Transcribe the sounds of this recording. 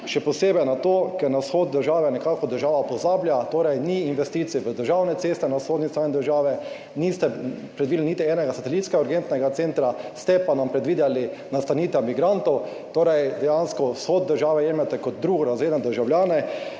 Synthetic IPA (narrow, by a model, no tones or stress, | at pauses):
ʃɛpɔseːbɛjnat̪oːkɛɾnasxoːd̪d̪əɾʒaːʋɛnɛkakɔd̪əɾʒaːʋapɔzaːbljat̪oːɾɛjniːnʋɛst̪it̪siɛʋəd̪əɾʒawnɛseːst̪ɛnasxoːd̪nist̪ɾaːjnid̪əɾʒaːʋɛ | nist̪ɛpɾɛd̪ʋid̪linit̪iɛːnɛɡasat̪ɛlit̪skɛɡauɾɡent̪nɛɡat̪sent̪ɾast̪ɛpanampɾɛd̪ʋiːd̪jalinast̪aniːt̪ɛmiɡɾant̪ɔw | t̪oːɾɛjd̪ɛjanskɔsxod̪̚d̪əɾʒaːʋɛjeːmɛt̪ɛkɔt̪̚d̪ɾuːɡɔɾazʋeːd̪nɛd̪əɾʒawljaːnɛ